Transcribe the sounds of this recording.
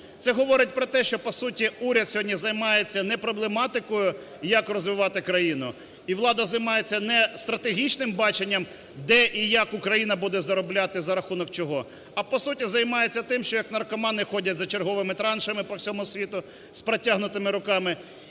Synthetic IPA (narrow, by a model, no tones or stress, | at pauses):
t̪ɛɦɔʋɔɾɪt̚ʲpɾɔt̪ɛʃt͡ʃɔpɔsutʲiuɾʲɐd̪̚sʲɦɔdʲnʲizɐjmɑjet͡sʲːɐnɛpɾɔblˠemɑt̪ɪkɔjʊ | jɐkrɔzʋɪʋɑt̪ɪkɾɐjinʊ | iʋlˠɑd̪ɐzɐjmɑjet͡sʲːɐnɛst̪ɾɐt̪eɦʲit͡ʃnɪmbɑt͡ʃenʲːɐm | d̪ɛʔijɐkʊkɾɐjin̪ɐbud̪ɛzɐɾɔblʲat̪ɪzɐɾɐxunɔkt͡ʃɔɦɔ | ɐpɔsutʲizɐjmɑjet͡sʲːɐt̪ɪmʃt͡ʃɔjɐkn̪ɐrkɔmɑnɪxɔdʲɐtʲzɐt͡ʃerɦɔʋɪmɪt̪ɾɑnʃɐmɪpɔwsʲɔmʊsʲʋʲit̪ʊ | spɾetʲaɦnʊt̪ɪmɪɾʊkɑmɪ